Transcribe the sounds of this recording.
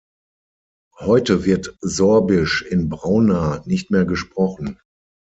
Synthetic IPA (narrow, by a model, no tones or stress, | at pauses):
hɔʏtəvɪɐtzɔɐbɪʃɪnbʁaʊnaːnɪçtmeːɐɡəʃpʁ̥ɔχn̩